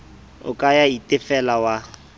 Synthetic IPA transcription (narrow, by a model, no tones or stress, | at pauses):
ʊ̰kʼajaitʼɪfɛlawa